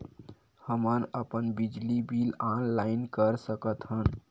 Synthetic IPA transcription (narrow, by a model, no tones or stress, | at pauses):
həmənəpənbid͡ʒlibilanlaɪnkəɾsəkət̪ɦən